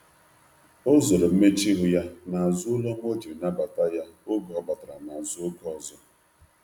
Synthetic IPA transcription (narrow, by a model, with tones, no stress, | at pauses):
ʊ˦zʊ˨ɾʊ˨m̩˦me˦t͡ʃi˦ɦʊ˨ja˦na˨a˨zʊ˦lɔ˦m˦o˦d͡ʒi˨na˦ba˨ta˦ja˦ʊ˦bɔ˦ba˨ta˨ɾa˨na˨a˨zʊ˦o˦ɡɔ˦˨zɔ˦